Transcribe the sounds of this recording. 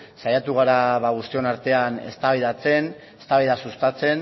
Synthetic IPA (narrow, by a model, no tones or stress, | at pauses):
sajat̪uɣ̞aɾaβaɣ̞ust̪io̞naɾt̪e̞ane̞̰st̪aβeiðat͡se̞n | est̪aβiðasust̪at͡se̞n